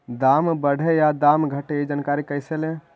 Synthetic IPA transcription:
d̪ambəɽ̤ʱejad̪amɡʱəʈeid͡ʒankaɾikəjselẽ

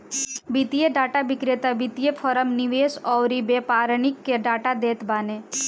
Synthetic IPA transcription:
bit̪ijeɖaːʈabɪkɾet̪abit̪ijepʰɔɾəmniʋeːsɔːɾibepaːɾnɪkːeɖaːʈad̪eːt̪baːne

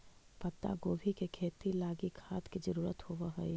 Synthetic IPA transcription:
pət̪ːa̰ɡoːbʱikekʰeːt̪ilaːɡikʰaːt̪kid͡ʒəɾuːɾət̪hoʋəɦəi

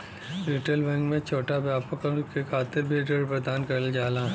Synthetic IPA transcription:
ɾiːʈelʋɛ̃ŋɡmẽt͡ʃʰoːʈabjaːpəkkekʰaːt̪ɪɾbʱiʈeɽpɾɐd̪aːnkɐɾəld͡ʒaːlaː

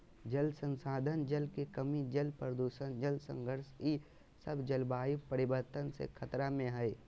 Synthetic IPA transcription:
d͡ʒəlsə̃nsaːd̪ʱənd͡ʒəlkekəmid͡ʒəlpɾəd̪uːʃənd͡ʒəlsə̰̃ŋɡʱəɾsi | səbd͡ʒəlbaːjipəɾɪʋəɾt̪ənsḛkʰɐt̪ɾamẽɦɛe

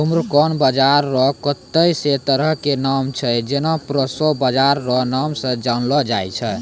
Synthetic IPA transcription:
umɾkɔnbəd͡ʒaɾːɔkət̪ːəjset̪əɾəɦkenamt͡ʃʰəd͡ʒenapɾəsɔbəd͡ʒaɾːɔnamsə̃d͡ʒanlɔd͡ʒajt͡ʃʰə

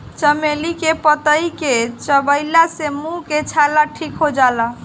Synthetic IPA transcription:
t͡ʃəmelikepət̪əjket͡ʃəbəɪlasemũket͡ʃʰalaʈʰikɦod͡ʒala

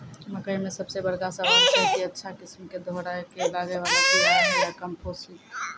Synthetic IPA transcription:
məkəimesəbsebəɾkasə̃ad̪kəɦkiətːʃʰakismked̪ʱoɾakelaɡeʋalakitmɾakəmposi

